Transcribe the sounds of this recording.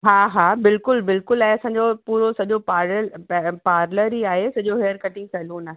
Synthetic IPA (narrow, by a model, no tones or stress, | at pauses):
ɦaːɦaːbɪlkʊlbɪlkʊlãɦẽɐsãːɲ̆d͡ʑopuːɾosɐʄopaːɾəpaːɾləɾɦiaːɦesɐʄoɦeːəɾkɐʈɪ̃ŋɡsɛːluːnaːɦe